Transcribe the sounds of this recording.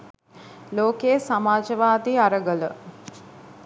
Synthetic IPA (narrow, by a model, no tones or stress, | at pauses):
loːkejəsamaːd͡ʒəʋaːd̪iaɾəɡələ